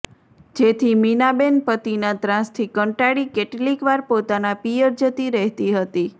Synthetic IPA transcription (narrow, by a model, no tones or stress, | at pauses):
d͡ʒet̪ʰiminabenpət̪inat̪ɾãst̪ʰikəɳʈaɽikeʈlikʋaɾpot̪anapijəɾd͡ʒət̪iɾəɦt̪iɦət̪i